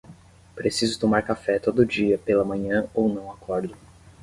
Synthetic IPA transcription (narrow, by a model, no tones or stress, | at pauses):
pɾesizʊt̪omaɾkafɛt̪od̪ʊd͡ʒiɐpelɐmɐ̃ɲɐ̃ownɐ̃w̃akʰɔɾd̪ʊ